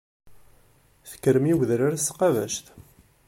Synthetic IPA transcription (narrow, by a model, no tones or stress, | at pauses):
θə̥kːəɾmiwðɾaɾsqɑvæ̰ʃt̪